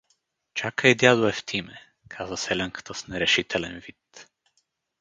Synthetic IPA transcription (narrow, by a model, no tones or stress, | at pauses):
t͡ʃakʰəed̪jad̪ueft̪ʰimɛ | kʰazəselʲɛŋkɨ̥t̪osnɛɾɛʃit̪ʰɛlenvit̪